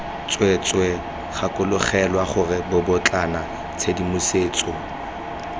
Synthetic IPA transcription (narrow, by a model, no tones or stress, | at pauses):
t͡sʼwet͡sʼwɛ | χakʼʊlʊχɛlwaχʊrɪbʊbʊt͡ɬʼana | t͡sʰedimʊseːt͡sʼɔ